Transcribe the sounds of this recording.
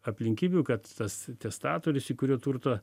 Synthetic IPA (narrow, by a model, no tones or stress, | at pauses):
ɐpʲlʲɪŋʲkʲiːbʲuːkɐt̪t̪ɐst̪ʲɛst̪ɑːt̪oːɾʲɪsiːkʊɾʲuːt̪uːrt̪o